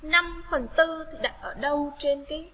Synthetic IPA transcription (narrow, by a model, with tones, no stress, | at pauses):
na˧mfə˨˩nt̪ɨ˧t̪ʰi˨˩ɗa˨˩t̚ʔəː˧˩ɗə˧wt͡ɕe˧nkaː˨˦j